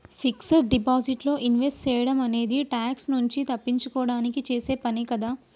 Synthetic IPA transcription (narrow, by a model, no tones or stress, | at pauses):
fiksɐɾɖipaːsiʈlo̞ːʔinʋesʈt͡ʃeːjɐɽɐmɐne̞ːd̪iʈaːksnuɲt͡ʃit̪ɐpːiɲt͡ʃukɔːɐɽaːnikit͡ʃe̞ːse̞ːpɐnikɐd̪aː